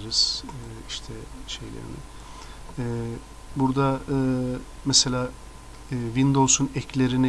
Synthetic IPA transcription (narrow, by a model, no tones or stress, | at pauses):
ɾɯz̥iʃt̪ʰɛʃe̞jlʲḛɾḭnɪ̰ | ɛ | buɾd̪aɯːmɛselʲaː | vind̪olˠsunɛclʲeɾin